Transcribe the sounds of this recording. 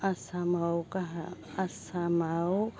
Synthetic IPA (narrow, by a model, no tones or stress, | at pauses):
asamawkaɦa̰ | asamaw